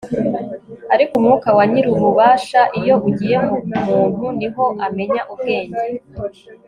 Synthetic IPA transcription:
aɾikumŋuːkawaɲiɾuumuβaːʃaʔijo̞ʔuɟije̞ɦoumuːn̥huniɦo̞ʔame̞ɲaʔub̚ɡ̥e̞ːɲɟe

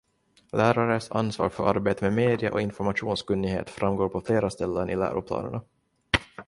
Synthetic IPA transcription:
læːɾaɾəsa̰nsvɑ̰ːɾfœɾʔaɾbeːt̪əmɛmeːd̪ɪa̰ʔɔɪnfɔɾmaɧuːnskɵnːɪɡhḛːt̪fɾʔamɡoːɾpʰɔfleːɾast̪ɛlːənʔɪlæ̰ːɾʊpʰlɑ̰ːnəɳa

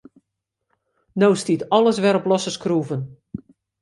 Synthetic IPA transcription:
nowstitɔlˠəsʋɛɾɔplɔsəskruːvən

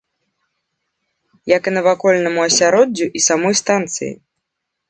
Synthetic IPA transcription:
jɐkɨnɐvakɔlʲnɐmuɐsʲaɾɔd͡zʲːuʔisamɔjst̪ant̪sɨ̰jḭ

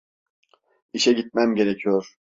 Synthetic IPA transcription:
iʃɛɟit̪̚mæmɟe̞ɾecʰijoɾ̥

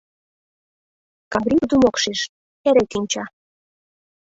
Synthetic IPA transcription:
kɑbɾʲikd̪umokʃeʃ | eɾekinʲt͡ɕɑ

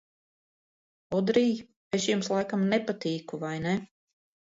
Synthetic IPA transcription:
ɔd̪ɾij | eʃjumslˠajkamnepat̪iːkuvajnɛ

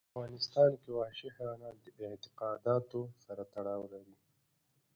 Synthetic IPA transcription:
aɣɑnɪst̪ɑnkewɑʃɪhɾɑnad̪əʔɪʕt̪ɪqɑd̪ɑt̪osaɾat̪aɽɑwlaɾi

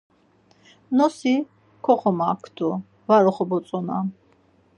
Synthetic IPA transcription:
nɔsi | kʰɔχɔmaːkʰd̪ɔ | vaɾɔχɔbɔsʼɔna

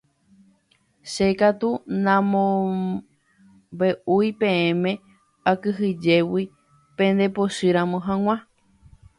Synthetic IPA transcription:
ʃe̞kat̪unãmõ | be̞ʔujpẽẽmẽ̞ | akɨɦɨd͡ʒe̞wi | pẽ̞nd̪e̞poʃɨɾãmõɦãw̃ã

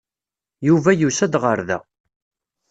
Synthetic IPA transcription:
juvæjusæd̪ʁəɾðæ̰

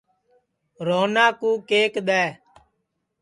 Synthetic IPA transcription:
ɾoːnaːkuːkeːkɗ̪ɛː

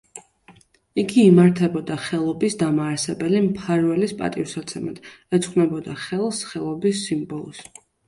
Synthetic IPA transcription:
iɡiːmaɾt̪ʰɛbɔd̪aχɛlˠɔbisd̪amaːɾsɛbɛlimpʰaɾvɛlispʼa̰t̪ʼifsat̪sʰɛma̰d̪̥ɛt̪sʰʼχʼʰnɛbɔd̪aχɛlˠsχɛlˠɔbisːimbɔlˠɔ̰s

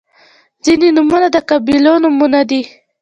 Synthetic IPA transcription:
zinenʊmunad̪əkabilɔnʊmunad̪i

